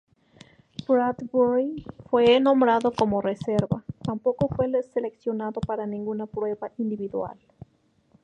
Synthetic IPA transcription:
bɾad̪boɾifwenõ̞mbɾaðo̞ko̞moreseɾβat̪ampo̞ko̞fwe̞leseleksjo̞naðo̞paɾanĩŋɡunapɾwe̞βaʔind̪iβiðwa̰l

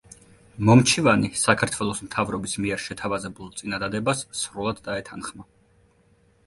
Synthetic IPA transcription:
mɔmt͡ʃʰivanisakʰaɾt̪ʰwɛlˠɔsmt̪ʰavɾɔbismiɛɾʃɛt̪ʰavazɛbulˠt̪sʼinad̪ad̪ɛbasːɾulˠad̪ːaɛt̪ʰanχma

